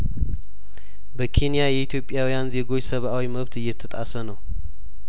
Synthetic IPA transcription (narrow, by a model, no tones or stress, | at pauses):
bəkʰe̞nijajɛit̪ʰjo̞pʼːjawijanze̞ɡo̞t͡ʃːsəβʔawiməβt̪ɨjːɛt̪ʰːət̪ʼasənəw